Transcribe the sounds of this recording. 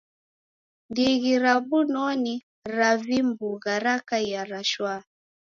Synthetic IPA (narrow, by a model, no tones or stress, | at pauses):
ndiɣiɾabunɔni | ɾavimbuɣaɾakajaɾaʃwa